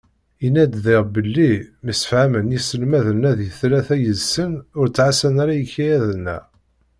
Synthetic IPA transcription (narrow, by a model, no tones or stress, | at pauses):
inːæd̪ðɪʁbəlːimisə̥fhæmənjisəlmæðənːæðjəθlæθæjəzsənʊɾt͡sːʕasənaɾæjəçːijæðənːæ̰